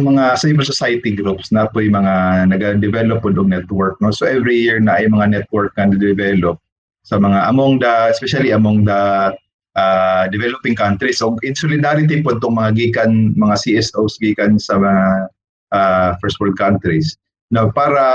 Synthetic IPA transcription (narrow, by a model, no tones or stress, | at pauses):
mɐŋasajvɛlsosajɐt̪iɡɾupsnɐpojmɐŋanɐɡad̪ɛvɛlop̚ːod̪oŋnɛt̪wɛɹk̚nosoʔɛvɹijiɹnɐʔɐjmɐŋanɛt̪̚wɔɹk̚nɐnɐɡ̚d̪ɛvɛlop̚ | sɐmɐŋaʔɐmoŋd̪ɐɛspɛʃɐliʔɐmoŋd̪ɐ | ʔad̪ɛvɛlopɪŋkant̪ɾisʔoɡʔɪnsolɪd̪aɾɪt̪̬ipod̪t̪oŋmɐŋaɡiːkɐnmɐŋasiʔɛsʔowsɡiːkɐnsɐmɐŋa | ʔafɛɹst̪wɛɹd̪̚kant̪ɾis | nopaːɾɐ